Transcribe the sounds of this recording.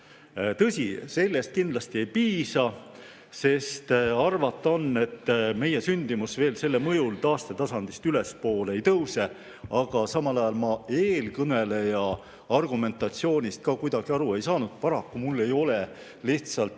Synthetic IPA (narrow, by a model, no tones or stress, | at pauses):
t̪ɤsʲise̞lʲːest̪̚kind̪̥lɑst̪ie̞jpiːsɑ | se̞st̪ɑrvɑt̪ˑːo̞nːe̞t̪ːme̞je̞synʲd̪̥imusve̞ːlse̞lːemɤjult̪ɑːst̪e̞t̪ɑsɑnd̪̥ist̪yle̞spo̞ːle̞jt̪ɤwse | ɑɡ̥ɑsɑmɑlɑjɑlmɑe̞ːlkɤne̞le̞jɑ | ɑrɡ̥ume̞nt̪ˑɑt̪sio̞ːnʲist̪̚kɑkujd̪ɑɡ̥iɑɾue̞jsɑːnud̪̥̚pɑɾɑkːumulːe̞jo̞le̞ | liht̪sɑlt̪ˑ